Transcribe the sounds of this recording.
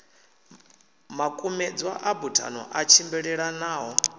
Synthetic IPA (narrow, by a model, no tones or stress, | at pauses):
makʼumɛd͡zwa̰ʔabutʰʼa̰nɔ̰ʔat͡ʃʰimbɛɺɛɺanaːɦɔ